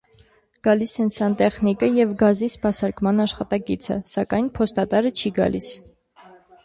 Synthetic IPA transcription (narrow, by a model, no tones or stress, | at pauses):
ɡ̥ɑlisɛnt͡sʰɑnt̪ɛχnikəjɛvɡɑzispɑsɑɾkmɑnɑʃχɑt̪ɑkit͡sʰə̰sɑkɑjnpʰɔst̪ɑt̪ɑɾət͡ʃʰiɡɑ̰lʔis